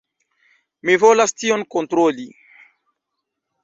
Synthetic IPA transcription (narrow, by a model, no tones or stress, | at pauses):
mevɔlast̪ionkõnt̪ɾoli